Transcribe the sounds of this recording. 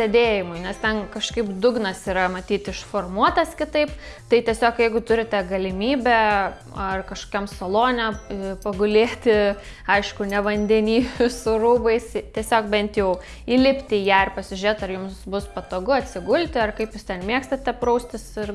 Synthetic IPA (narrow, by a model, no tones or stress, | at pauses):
sʲɛd̪ʲeːjɪmʊɪnʲɛst̪ʲɛnkɐʃkɐɪpd̪ʊɡnɐsiːɾɐmɐt̪ʲiːt̪ɪʃfoːrmuɔt̪ɐskʲɪt̪ɐɪp | t̪ɐɪt̪ʲiɛsʲoːkjɛɪɡʊt̪ʊɾʲɪt̪ʲɛɡɐlʲɪmʲiːbʲɛ | ɐrkɐʃkoːkʲɛmsɐlˠoːnʲɛɪpɐɡʊlʲeːt̪ʲɪ | ɐɪʃkʊnʲɛʋɐnʲd̪ʲɛnʲiːʋʲʊsʊruːbɐɪst̪ʲiɛsʲoːkbʲɛnʲt̪jɛʊ | iːlʲɪpʲt̪ʲɪjæːɪrpɐsʲɪʒʲʊɾʲeːt̪ɐrjʊmsbʊspɐt̪oːɡʊɐt̪ʲsʲɪɡʊlʲt̪ʲɪɐrkɐɪpjʊst̪ʲɛnmʲiɛkst̪ɐt̪ʲɛpɾɐʊsʲt̪ʲɪsɪr